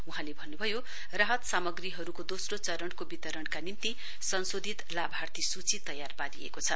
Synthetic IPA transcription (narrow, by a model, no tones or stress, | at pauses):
uɦãlebʱʌnːubʱʌjo | raɦʌt̪samʌɡriɦʌɾukod̪osrot͡sʌɾʌnkobit̪ʌɾʌɳkanint̪i | sʌnsod̪ʱit̪labʱart̪ʰisut͡sit̪ʌjarbad̪iḛkot͡sʰʌ